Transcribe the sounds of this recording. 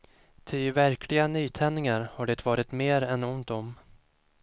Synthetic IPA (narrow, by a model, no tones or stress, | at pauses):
t̪ʰʏvæɾkʰlɪɡanyːt̪ʰɛnːɪŋaɾhaɖɛt̪vɑːɾɪt̪meːɾɛnʊnt̪ɔm